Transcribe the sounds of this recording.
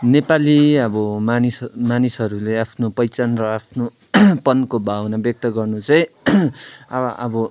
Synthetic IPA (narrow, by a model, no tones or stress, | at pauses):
nepaliʌbʌmanismanisʌɾuleapʰnopʌjt͡sanrʌapʰno | pʌnkobawnabjʌk̚t̪ʌɡʌrnut͡saĩ | ʌʔʌ̰bʌ